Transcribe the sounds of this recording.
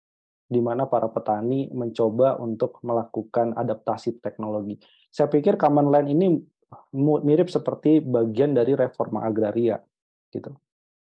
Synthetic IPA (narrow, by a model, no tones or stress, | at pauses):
dimanapaɾapət̪animəɲt͡ʃobaʔṵnt̪ʊk̚məlakukana̰dap̚t̪asit̪ɛk̚noloɡi | sajapikɪrkamanlanini | mut̪̚miɾɪp̚səpərt̪ibaɡiandaɾiɾefɔrma̰ʔːɡɾaɾia̰ | ɡ̥it̪u